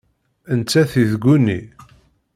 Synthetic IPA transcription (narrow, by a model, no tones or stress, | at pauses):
ənt͡sːæθiðɡʷːunːḭ